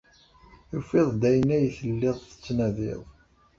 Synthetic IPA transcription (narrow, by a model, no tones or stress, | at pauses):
jufɪðˤd̪æjənæjθəlːɪðˤθə̥t͡sːnæðɪ̰ðˤ